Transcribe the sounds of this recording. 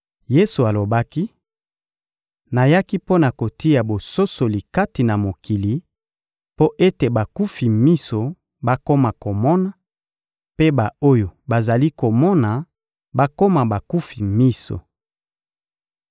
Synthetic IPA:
je˦su˨a˨lo˨ba˦ki˦ | na˨ja˦ki˦po˦na˨ko˨ti˦ja˨bo˨so˦so˨li˨ka˦ti˨na˨mo˨ki˨li˨ | po˦ʔe˦te˨ba˨ku˦fi˨mi˦so˨ | ba˦ko˦ma˨ko˨mɔ˦na˨ | pe˦ba˨o˦jo˨ba˨za˨li˦ko˨mɔ˦na˨ | ba˦ko˦ma˨ba˨ku˦fi˨mi˦so̰˨

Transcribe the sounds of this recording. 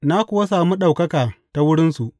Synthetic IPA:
na˦kʷʊ˨wa˦saː˨mu˦ɗa˨wkɐ˦kaː˨ta˦wʊ˦ɽɪ˦nsu˨ʔ

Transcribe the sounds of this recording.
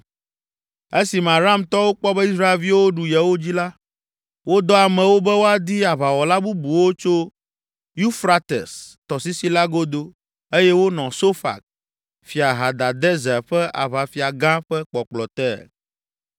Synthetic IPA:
e˦si˨mã˨ɾa˦˨mt̪ɔ˦wo˦k͡pɔ˦bɛ˦i˦sɾa˦e˨lvi˦wo˦ɖu˨jɛ˨wo˦d͡ʑi˦la˦ | wo˦d̪ɔ˦a˨mɛ̃˨wo˦bɛ˦wo˦a˨d̪i˦a˨βa˨wɔ˨la˦bu˦bu˨wo˦t͡ʃo˦ | ju˦fɾa˦t̪ḛ˨st̪ɔ˨si˦si˦la˦ɡo˦d̪o˦ | e˦jɛ˦wo˦nɔ̃˨so˦fa̰˨k̚ | fi˨a˨ɦa˨d̪a˨d̪ɛ˦zɛ˨ɸɛ˦ʔa̰˨βa˨fi˨a˨ɡã˦ɸɛ˦k͡pɔ˨k͡plɔ˨t̪ɛ̰˦

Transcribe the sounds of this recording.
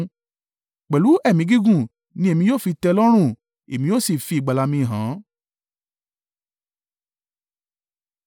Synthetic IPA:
k͡pɛ˨lu˨˦ɛ˦˨mĩ˨˧˦ɡi˦ɡũ˦˨ | nĩ˧˦e˦˨mĩ˧joː˦˨fi˧tɛ˧lɔ˦ɾ̃ũ˦˨ | e˨mĩ˧jo˦˨si˦˨fi˧i˨ɡ͡ba˨la˧mĩ˧˨ɦã˨˦

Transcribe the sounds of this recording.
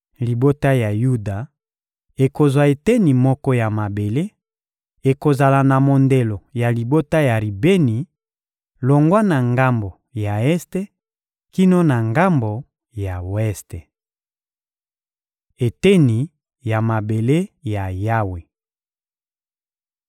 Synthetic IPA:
li˨bo˦ta˦ja˨ju˦da˨ | e˨ko˨zwa˨e˨te˦ni˨mɔ˦kɔ˦ja˨ma˨be˨le˦ | e˨ko˨za˨la˨na˨mo˨nde˨lo˨ja˨li˨bo˦ta˦ja˨ʁi˨be˦ni˨ | lo˨ŋɡwa˦na˨ŋɡa˦mbo˨ | ja˨ɛ˦ste˦ | ki˦no˦na˨ŋɡa˦mbo˨ | ja˨wɛ˦ste˨ | e˨te˦ni˨ | ja˨ma˨be˨le˦ja˨ja˦we˨

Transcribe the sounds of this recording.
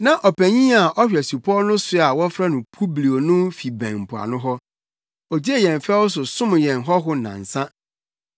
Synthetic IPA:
nã˨ʔɔ˨pʰæ˨ɲĩ˦a˨ʔɔ˦ɕᶣɛ˨su˨pʰɔ˦nʊ̃˦sʊ˦a˨wɔ˦fɾa˦nʊ̃˨pʰu˦bli˨o˨nʊ̃˦fi˨bæ̃˨m̩˨pʰʊ˨a̰˨nʊ̃˦ɦɔ˦ | ɔ˨d͡ʑi˦e˦˨jɛ̃˨n˨fɛ˦wʊ˦sʊ˨sʊ̃˦m˨jɛ̃˨nɦɔ˦ɦʊ˦nã̰˨n̩˨sã˦

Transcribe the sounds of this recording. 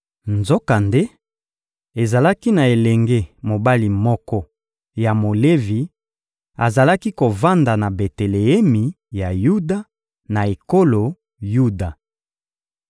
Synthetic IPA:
nzo˦ka˨nde˦ | e˨za˨la˦ki˦na˨e˨lɛ˨ŋɡe˦mo˨ba˦li˨mɔ˦kɔ˦ | ja˨mo˨le˦vi˨ | a˨za˨la˦ki˦ko˨va˦nda˨na˨be˨te˨le˨ɛ˦mi˨ | ja˨ju˦da˨ | na˨e˨ko˦lo˨ | ju˦da˨

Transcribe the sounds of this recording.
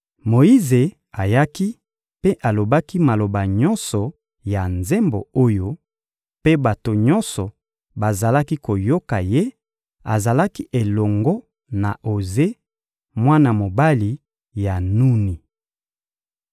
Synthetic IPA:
mo˨i˦ze˨ | a˨ja˦ki˦ | pe˦ʔa˨lo˨ba˦ki˦ma˨lo˨ba˨ɲɔ˦nsɔ˨ | ja˨nze˦mbo̰˨o˦jo˦ | pe˦ba˨to˨ɲɔ˦nsɔ˨ | ba˨za˨la˦ki˦ko˨jo˦ka˨je˦ | a̰˨za˨la˦ki˦ʔe˨lɔ˨ŋɡɔ˦ | na˨ʔo˨ze˦ | mwa˦na˨mo˨ba˦li˨ | ja˨nu˦ni˨

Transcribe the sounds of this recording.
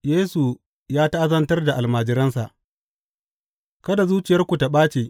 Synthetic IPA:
jeː˦su˨ | jaː˦ta˦ʔa˦zɐ˦ntɐ˦rda˨ʔa˨lmaː˨d͡ʒɪ˦ɾɐ˦nsa˨ʔ | kɐ˦da˨zuː˦t͡ʃɪ˨jɐ˦rkʷu˨ta˨ɓaː˦t͡ʃeː˨

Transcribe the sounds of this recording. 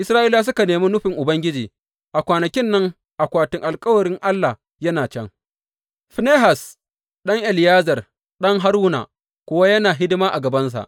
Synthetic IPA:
ʔɪ˦sɾaː˦ʔiː˦laː˦s̬ʊ˦ka˨neː˨mi˦nʊ˦ɸɪ˨ŋʔʊ˨bɐ˦ŋɡʲɪ˦d͡ʒiː˨ | ʔa˨kʷaː˨nɐ˨kʲɪ˦nːɐ˦ŋ | ʔa˨kʷaː˨tɪ˦ŋʔa˨lkʼɐ˦wɐ˨ɽɪ˦ŋʔa˦lːa˨ | jɐ˦naː˨t͡ʃɛ̰˦ŋ | ɸne˦ɦa˨s | ɗɐ˦ŋʔɛ˨lɪ˨jaː˦zɐ˨r | ɗɐ˦ŋɦa˦ɾuː˦na̰˨ | kʷʊ˦wa˦jɐ˦naː˨ɦɪ˦dɪ˦maː˦ʔa˨ɡɐ˨bɐ˦ns̬a̰˨ʔ

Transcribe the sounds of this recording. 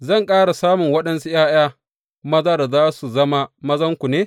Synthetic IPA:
zɐ˦˨ŋkʼaː˦ɽa˨saː˦mʊ˨ŋwɐ˦ɗɐ˦nsu˦jaː˦j̰aː˦ | mɐ˦zɐ˦rzaː˦su˨zɐ˦ma˦mɐ˦zɐ˦ŋkʷu˨neː˦

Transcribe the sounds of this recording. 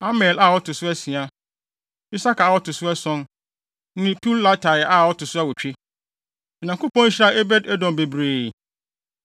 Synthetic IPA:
a˦mɛ˨la˦˨wɔ˦tʊ˨sʊ˦æ˦sĩ˨a˦ | i˦sa˦ka˨wɔ˦tʊ˨sʊ˦ɛ˦sɔ̃˦n | nɪ̃˦pʰi˦lːa˦tʰa˨jɛ˨ʔa˦˨wɔ˦tʊ˨sʊ˦a˦wɔ˨t͡ɕᶣe˦ | mɛ̃˨nã˨ŋkʊ˦pʰɔ̃˦n̩˦ɕɾa˦e˦bɛ˦dɛ˦dɔ̃˨mbe˨bɾeː˨

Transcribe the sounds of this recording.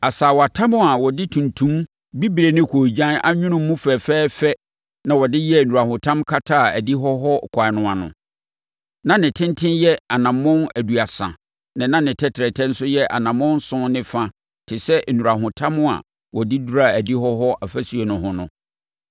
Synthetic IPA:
a˨saː˨wɔ˨a˨tʰa˦mʊ̃˦a˨wɔ˨dɪ˦tʰũ˨ntʰũ˦m | bi˦bi˨ɾe˨nɪ̃˦kʰoː˨d͡ʑã˦na̰˦ɲᶣʊ̃˦nʊ̃˦mː˦ũ˦fɛː˨fɛː˦fɛ˦ | nã˨wɔ˨dɪ˦jɛ˦˨nũ˨ɾa˨hʊ̃˨tʰã˦mkʰa˦tʰaː˦˨æ˨di˦ɦɔ˦ɦɔ˦˨kʷʰa˨nʊ̃˦˨a˨nʊ̰̃˨ | nã˨nɪ̃˨tʰɪ̃˦ntʰɪ̃˦njɛ˦a˨nã˨mːʊ̃˦næ˨du˨a˨sã̰˨ | nɪ̃˨nã˦nɪ̃˨tʰɛ˦tʰɪ˨ɾɛ˨tʰɛ̃˦n̩˦sʊ˦jɛ˦ʔa̰˨nã˨mʊ̃˦n̩˦sʊ̃˦nɪ̃˦fã˦ | tʰɪ˨sɛ˦ʔnũ˨ɾa˨ɦʊ̃˨tʰã˦mʊ̃˦a̰˨ | wɔ˨dɪ˦du˦ɾa˦˨æ˨di˦hɔ˦ɦɔ˦ʔa˨fæ˦si˨ɛ˨nʊ̃˨hʊ̃˦nʊ̃˦

